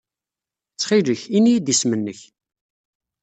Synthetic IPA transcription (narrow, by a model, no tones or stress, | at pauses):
t͡sːχiləçinijid̪ismənːəç